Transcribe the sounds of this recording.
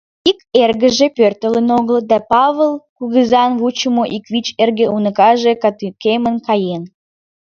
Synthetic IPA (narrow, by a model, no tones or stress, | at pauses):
ikerɣə̆ʒepørt̪əlenoɣləd̪æpɑβəlˠkuɣəzɑnβut͡ɕəmoʔikβit͡ɕerɣeʔunə̆kɑʒekɑt̪ykemənkɑjen